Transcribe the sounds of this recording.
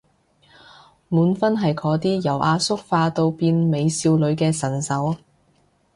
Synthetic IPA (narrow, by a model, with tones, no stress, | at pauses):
muː˨˥nfɐ˥nɦɐ˨jkʰɔː˨˧˥t̪iː˥jɐ˨˩wʔaː˧sʊ˥k̚faː˧t̪o˧wpiː˧nme˨˧jsiː˧wlɵ˨˧ɥkɛː˧sɐ˨˩nsɐ˨˥w